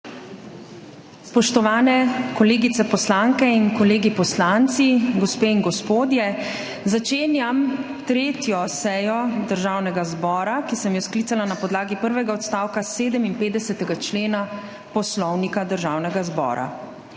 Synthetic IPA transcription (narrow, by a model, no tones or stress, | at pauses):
spɔʃt̪ɔʋaːnɛkɔleːɡit̪ɛpɔslaŋkɛinkɔleːɡipɔslant̪siɡɔspeːinɡɔspoːd̪jɛ | zat͡ʃeːnjam | t̪ɾeːt̪jɔsɛjɔd̪əɾʒaːwnɛɡazbɔːɾakisɛmjɔskliːsalanapɔd̪laːɡipəɾʋɛɡaɔt̪st̪aːwkaseːd̪əminpeːd̪d̪ɛsɛt̪ɛɡat͡ʃleːna | pɔslɔwnikad̪əɾʒawnɛɡazbɔ̰ːɾa̰